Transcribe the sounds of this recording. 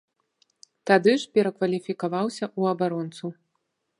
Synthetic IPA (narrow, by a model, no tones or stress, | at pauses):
t̪ad̪ɨʂpʲɛɾɐkvɐlʲifʲikavawsʲɐʔuɐbaɾɔnt̪su